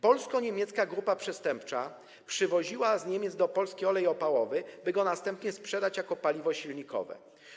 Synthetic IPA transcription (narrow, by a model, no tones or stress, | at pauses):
pɔlskɔɲemʲjɛt̪skaɡɾupapʂɛst̪ɛmpt͡ʂa | pʂɘvɔʑiwazɲemʲjɛd̪zd̪ɔpɔlskʲejɔlɛjɔpawɔvɘbɘɡɔnast̪ɛmpɲɛspʂɛd̪at͡ɕjakɔpalʲivɔɕilɲikʰɔ̰vɛ̰